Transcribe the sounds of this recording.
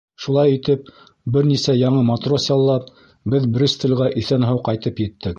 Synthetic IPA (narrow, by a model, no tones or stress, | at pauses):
ʃulˠɑjit̪ɘp̚ | bɘɾnisæjɑɴɤmɑt̪rosjɑlˠːɑp̚ | bɘðbɾʲɘst̪ɘ̆lʁæʔiθænɦɑwqɑjt̪ɤpjɘ̆t̪ːɘk